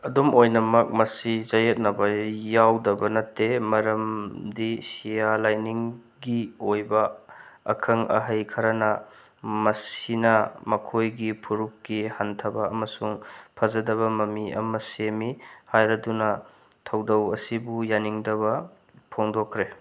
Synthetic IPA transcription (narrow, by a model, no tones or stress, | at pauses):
ɐdumʔojnɐmɐk̚mɐsizɐjet̚nɐbɐjawdɐbɐnɐtːemɐɾɐmdisijalajniŋ | ɡiojbɐɐ̰kʰɐŋɐ̰ɦɐjkʰɐɾɐnɐmɐsinɐmɐkʰojɡipʰuɾup̚ɡihantʰɐbɐɐmɐsuŋpʰɐzɐdɐβɐmɐmiɐ̰mɐsemihajɾɐdunɐ | tʰɐwdɐwɐsibujaniŋdɐbɐ | pʰoŋdokʰɾe